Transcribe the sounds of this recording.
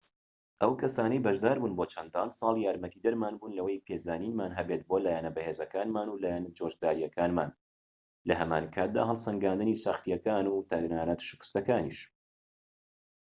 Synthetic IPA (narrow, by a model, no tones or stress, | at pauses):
ʔɐwkʰɐsaːnɐjbɐʒd̪aːɾbuːnboːt͡ʃʰɐnd̪aːnsˤɑːlˠjaːɾmɐt̪ʰiːd̪ɐɾmaːnbuːnlɐwejpʰezaːniːnmaːnɦɛbeːt̪̚boːlaːjanɐbɐheːzɐkaːnmaːnulaːjanɐd͡ʒoːʒd̪aːɾijɐkʰaːnma̰ːn | lɐɦɐma̰ːnkʰaːt̪̚d̪a̰ːɦɐlˠsɐŋɡaːnd̪ɨniːsaxt̪ijɐkaːnut̪ʰaɾnaːnat̪ʃɨ̥kɨ̥st̪ɐkaːnḭʃ